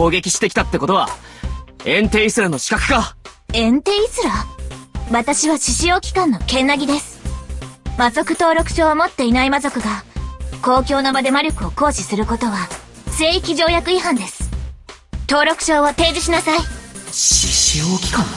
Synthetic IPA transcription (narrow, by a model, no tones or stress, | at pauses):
o̞ːɡe̞kʲi̥ɕi̥t̪e̞kʲi̥t̪at̪ːe̞ko̞t̪o̞βa̰ | ẽ̞nt̪e̞ːisɨɾano̞ɕi̥kakɯ̥kaẽ̞nt̪e̞ːisɨɾa | βat̪aɕiβaɕiɕio̞ːkʲi̥kãnːo̞kẽ̞nːaɡʲid̪e̞sɨ̥ | mazo̞kɯ̟̥t̪o̞ːɾo̞kɯ̟̥ɕo̞ːβomo̞t̪ːe̞inaimazo̞kɯ̟ɡako̞ːkʲo̞ːnobad̪e̞maɾʲo̞kɯ̟o̞ko̞ːɕisɨɾɯ̟ko̞t̪o̞βa | se̞ːikʲiʑo̞ːjakɯ̟iɦãnd̪e̞sɨ̥ | t̪o̞ːɾo̞kɯ̟̥ɕo̞ːβot̪e̞ːd͡ʑiɕinasaiɕiɕioːkʲi̥kãŋ